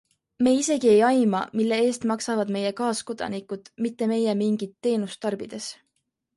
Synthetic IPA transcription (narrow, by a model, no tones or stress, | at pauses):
me̞ːise̞ɡie̞jɑjmɑ̰milːe̞e̞ːst̪mɑksɑvɑd̪̥me̞jekɑːsko̞d̪̥ɑ̰nikˑud̪̥mit̪ːe̞me̞jemiŋɡ̥it̪ːe̞ːnust̪ɑrb̥id̪̥e̞s